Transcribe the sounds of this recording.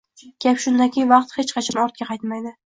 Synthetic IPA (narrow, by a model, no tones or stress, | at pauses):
ɡʲapʃʊnd̪akʲʰejvɑqt̪het͡ʃqʰɑt͡ʃʰanɒɾt̪̚kʲaqʰɑjt̪majd̪ɪ